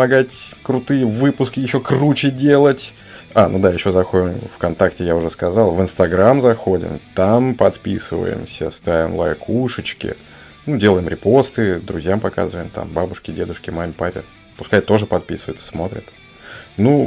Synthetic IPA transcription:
mɐɡatʲkɾʊt̪ɨjəvɨpʊskʲɪjɪɕːokrut͡ɕɪdʲelˠətʲ | anud̪ajɪɕːo̞zɐxoɪmfkɐnt̪aktʲɪjaʊʐɛskɐzalˠvɨnst̪ɐɡɾamzɐxo̞dʲɪ̰mt̪ampɐt̪pʲisɨ̰və̰jɪ̰msʲəst̪avʲɪ̰mlˠa̰jkʰuʂɨt͡ɕkʲɪ̰ | nudʲe̞lˠəjɪmɾʲɪpo̞st̪ɨd̪ɾʊzʲjampɐka̰zɨvəjɪmt̪a̰mbabʊʂkʲɪdʲed̪ʊʂkʲɪmamʲɪpapʲɪ̰ | pʊskajt̪ːo̞ʐɨpɐt̪̚pʲḭsɨvəjt̪ssmo̞t̪ɾʲɪ̰t̪ | nu

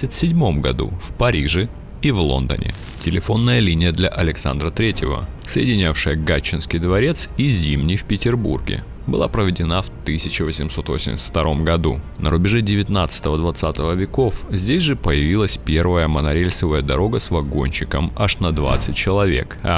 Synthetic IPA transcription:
ɪt̪ʲsʲɪdʲmo̞mɡɐ̰d̪ṵfpɐɾʲiʐɨ | ivlˠo̞̰nd̪ə̰nʲʔɪ̰ | tʲɪlʲɪfo̞nːəjəlʲinʲɪjəd̪lʲɐʔɐlʲɪksa̰nd̪ɾət̪ɾʲetʲɪvə̰səjɪdʲɪnʲafʂɨjəɡat͡ɕːɪnskʲɪjd̪vɐɾʲe̞t̪sizʲimnʲijfpʲɪtʲɪrbṵrɡʲɪ̰ | bɨ̰lˠapɾəvʲɪdʲɪnaft̪ɨsʲɪt͡ɕɪvəsʲɪmso̞t̪vo̰sʲɪmʲsʲə̥tft̪ɐɾʔo̞mɡɐd̪unə̰ɾʊbʲɪʐɛdʲɪvʲɪt̪nat̪sɨ̥t̪əvəd̪vɐt̪sat̪əvəvʲɪko̞fzʲdʲesʲʐɨpəjɪvʲilˠəsʲpʲe̞rvəjəmənɐɾʲelʲsəvəjəd̪ɐɾo̞ɡəsvɐɡo̞̰nʲɕɪkəmɐʂnɐd̪va̰t̪sɨt̚ʲt͡ɕɪlˠɐvʲe̞̰k

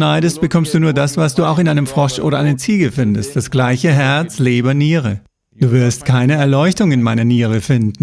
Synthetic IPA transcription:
naɪɾəst̚b̥əkʰɔmstd̥uːnuːɐdasv̥asd̥uːaʊxɪnʔaɪnəmfʁ̥ɔʃʔoːɾɐʔaɪnət͡siːɡəfɪndəst̚d̥asɡ̥laɪçəɦɛɐt͡sleːbɐniːʁə | d̥uːvɪɐstkʰaɪnəɛɐlɔʏçtʊŋɪnmaɪnɐniːʁ̞əfɪndn̩

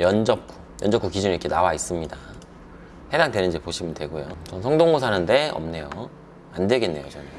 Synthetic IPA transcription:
jʌnd͡ʑʌk̚k͈ʰu̥ | jʌnd͡ʑʌk͈ʰukid͡ʑuniikʰenawais͈ɯmɲida | he̞daŋdwe̞nɯnd͡ʑipoɕʰimɯntwe̞ɡojot͡ɕʌnsʰʌŋdoŋɡos̬ʰanɯnde̞ʌ̰mne̞jo | andwe̞ɡe̞nːe̞jot͡ɕʌnɯ

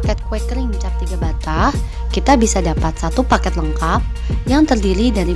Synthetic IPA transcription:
kɛt̪̚kwɛkəɾɪŋt͡ʃap̚t̪iɡabat̪ah | kit̪abisadapat̪̚sat̪upakɛt̪ləŋkap̚ | jaŋt̪ərdiɾidaɾi

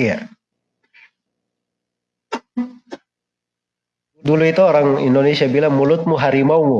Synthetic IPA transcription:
ja | duluit̪uɔɾaŋḭndonesiabilaŋmulʊt̪̚muɦaɾimaumu

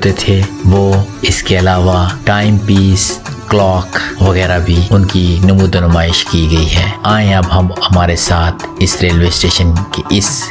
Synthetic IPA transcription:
t̪et̪ʰeʋoːɪskeɐlaːʋaʈaːɪmpiːs | klɔːkʋɐɣɛːɾabʱiʊnkinɐmuːd̪ɐnʊmaːɪʃkiɡɐiɦɛːaːẽɐbɦɐmhɐmaːɾesaːt̪ʰɪsɾeːlʋɪsʈeːʃənkeʔɪs

